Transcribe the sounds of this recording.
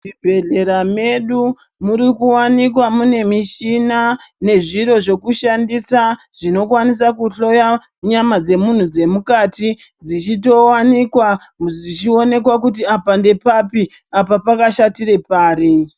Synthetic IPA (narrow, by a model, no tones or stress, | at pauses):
mibʱe̞ɮe̞ɾame̞ɗu | muɾikuwanik̬wamune̞miʃinane̞ʐiɾo̞ʐe̞kuʃandisa | ʐ̥ino̞kwanis̬akuɬo̞ja | ɲamad͡ze̞mun̤ud͡ze̞mukati | d͡zit͡ʃito̞wanikwa | d͡zit͡ʃio̞ne̞kwak̬ut̬iapande̞papi | apapakaʃatire̞paːri